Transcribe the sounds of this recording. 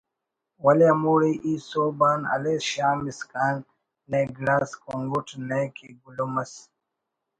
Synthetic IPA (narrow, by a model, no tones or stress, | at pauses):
wɐleɐmuːɽiʔisoːbaːnɐ̰lesɕaːmiskaːnː | eɡɾaːskoŋɡuʈnekʰiɡulumɐs